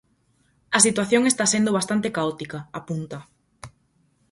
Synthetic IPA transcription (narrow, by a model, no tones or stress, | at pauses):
ɐsit̪waθjoŋest̪asend̪oβast̪ant̪ekaɔt̪ikɐapunt̪ɐ